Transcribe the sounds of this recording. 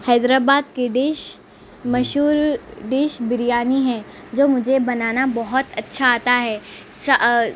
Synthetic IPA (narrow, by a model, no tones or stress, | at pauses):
hɛːd̪ɾaːbaːd̪keɖeːʃ | mɐʃuːɾɖɪːʃbɪɾijaːniɦɛ̃ː | d͡ʒoːmʊd͡ʒʱebɐnaːnabɔɦʊt̪ɐtːʃʰaaːt̪aɦɛː | sɐ